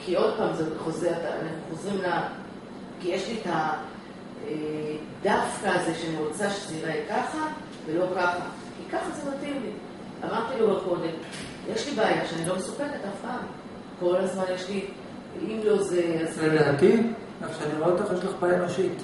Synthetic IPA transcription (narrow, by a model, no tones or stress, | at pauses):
kio̞d̚paːmzeχo̞zet̪aa̰naχnuχo̞zʁimla | kijeʃlita | e | d̪afkaːze̞ʃeaniʁot͡saʃe̥siʁaikaχa | ve̞lo̞kaχa | kikaχazenat̪imli | a̰maʁt̪ilobako̞d̪e̞m | jʔeʃlibaːjaʃeanilo̞mesukeletafpaːm | ko̞lazmanjeʃli | imlo̞zeazemleat̪in | aχʃeaniʁaot̪aχjeʃ̬laχpajamaʃit̪